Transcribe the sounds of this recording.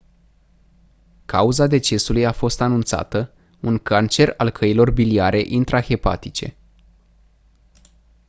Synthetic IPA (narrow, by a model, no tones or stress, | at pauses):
kauzad̪e̞t͡ʃe̞sulujafo̞st̪anunt̪sa̰t̪ə | uŋkant͡ʃe̞ralkʰəilo̞rbiliaɾe̞ʔint̪ɾaxe̞pa̰t̪it͡ʃe̞̰